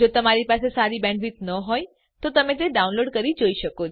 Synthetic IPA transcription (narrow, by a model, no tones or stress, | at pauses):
d͡ʒot̪əmaɾipasesaɾibɛ̃ɳɖʋit̪nəɦoj | t̪ot̪əmẽt̪̬eɖaunloɖkəɾid͡ʒoiʃəkot͡ʃʰ